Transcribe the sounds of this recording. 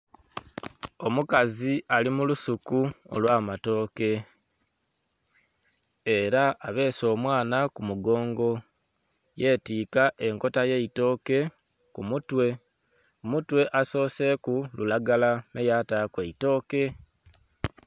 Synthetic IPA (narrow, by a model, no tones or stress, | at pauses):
o̞mukaziʔalimulusukuo̰lwaːmato̞ːke̞ | eɾaːβe̞ːso̞ːmwaːnakumuɡo̞ːŋɡo̞ | je̞ːtiːkaʔe̞ŋko̞taje̞ito̞ːke̞ | kumutwe̞ | omutwe̞ʔaso̞ːse̞kululaɡalamejataːkwe̞ito̞ːke̞